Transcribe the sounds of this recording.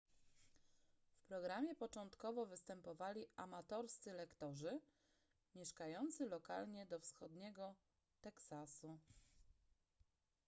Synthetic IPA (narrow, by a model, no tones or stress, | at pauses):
fpɾɔɡɾamʲjɛpɔt͡ʂɔnt̪kɔvɔvɘst̪ɛmpɔvalʲiamat̪ɔɾst̪sɘlɛkt̪ɔʐɘ | mʲjɛʂkajɔnt̪sɘlɔkalɲɛd̪ɔfsxɔd̪ɲɛɡɔ | t̪ɛksasu